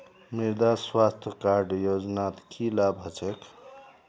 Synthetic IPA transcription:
miɾd̪aswast̪ʰjəkaɾɖjod͡ʒnat̪kʰilabɦət͡ʃʰek

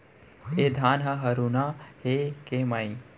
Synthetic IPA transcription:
ed̪ʱaːnɦɐɦɐɾunahekemaĩ

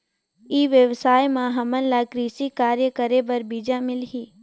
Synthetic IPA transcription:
iːʋjəʋsaːjmãɦɐmənlaːkɾiːsikaːɾjəkəɾebɐɾbiːd͡ʒamɪlɦiː

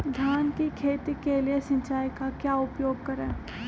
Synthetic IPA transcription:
d̪ʱjaːnkikʰeːt̪ikelijesɐ̃nt͡ʃaːikakjaːʊpjoːɡ̚kɐɾẽː

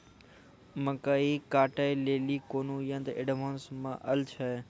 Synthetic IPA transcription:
mə̃kaːiːkaːʈaːileːliːkoːnũːjə̃nd̪ɪɖmãːnsmã̰ːʔɐlt͡ʃʰa

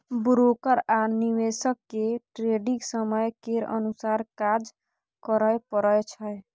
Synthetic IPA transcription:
bɾokəɾaniwesəkːeʈɾeɖiksəməjkeɾə̰nusaɾkad͡ʒ | kəɾəjpəɾəjt͡ʃʰəj

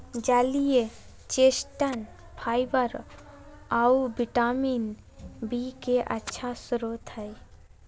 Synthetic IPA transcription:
d͡ʒalije | t͡ʃesʈan | pʰajbəɾ | awbiʈamin | bikeʔə̰tːʃʰasuɾot̪ʰaj

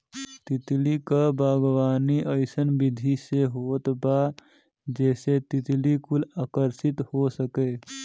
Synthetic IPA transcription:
t̪it̪likabʱaːɡwaːniʔəɪsənbid̪ʱiseɦot̪ba | d͡ʒɛːset̪it̪likulaːkəɾsɪt̪hosəke

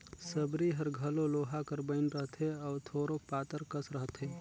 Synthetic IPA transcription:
səbɾiɦəɾɡʱəloloːɦakəɾbəɪnɾəɦt̪ɦeɔːt̪ʰoːɾopaːt̪əɾkəsɾəɦt̪ɦeː

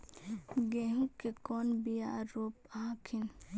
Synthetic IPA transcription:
ɡeɦũkːekɔːnbijaɾoːpaːkʰɪn

